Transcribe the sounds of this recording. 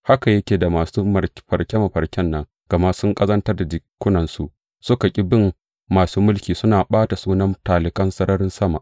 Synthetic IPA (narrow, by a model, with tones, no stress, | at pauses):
ha˦ka˨jɐ˦kʲeː˨da˨maː˨suː˦mɐ˨ɸɐ̰˨ɽkʲe˦mɐ˨ɸɐ˨ɾkʲɛ˦nːɐ˦ŋ | ɡ̥ɐ˨ma˦sʊ˦ŋkʼɐ˦zɐ˦ntɐ˦rda˨d͡ʒɪ˨kʷːʊ˦nɐ˨nsu˨ʔ | sʊ˦ka˨kʲʼɪ˦bɪ˦mː | aː˨suː˦mʊ˦lkʲiː˨sʊ˦naː˨ɓaː˦ta˨suː˦nɐ˦mtaː˨lɪ˨kɐ˦nsɐ˦ɾɐ˦ɾɪ˦nsɐ˦ma̰˨ʔ